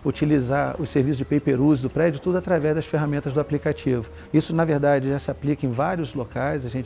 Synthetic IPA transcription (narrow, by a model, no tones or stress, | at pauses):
ut͡ʃilizaɾʊseɾvisʊzd͡ʒɪpejpeɾuzd̪ʊpɾɛd͡ʒʊt̪ud̪ʊat̪ɾavɛzd̪ɐsfeɦamẽnt̪ɐzd̪ʊaplikat͡ʃivʊ | isʊnɐveɾd̪ad͡ʒɪʒasɪaplikɐẽj̃vaɾiʊzlokajzɐʒẽnt͡ʃ